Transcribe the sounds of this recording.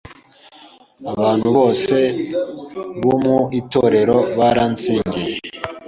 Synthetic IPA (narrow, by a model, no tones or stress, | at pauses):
aβaːn̥huβo̞ːse̞ | βomuito̞ɾe̞ɾoβaɾaːnt͡siːɲɟije